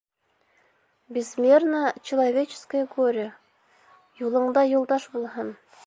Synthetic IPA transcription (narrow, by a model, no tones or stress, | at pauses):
bʲɪsmʲernət͡ɕɪlˠɐvʲet͡ɕɪ̥skəjɪɡoɾʲɪjə | julˠɤ̆ɴd̪ɑjulˠd̪ɑʃbulˠɦɤn